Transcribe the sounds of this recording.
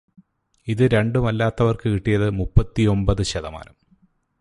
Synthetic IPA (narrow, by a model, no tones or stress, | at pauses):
iðɨɾe̞ɳɖumɐlːaːt̪ːɐʋɐrkɨkiʈːijɐðɨmupːɐt̪ːio̞mbɐðɨɕɐðɐma̰ːlɐm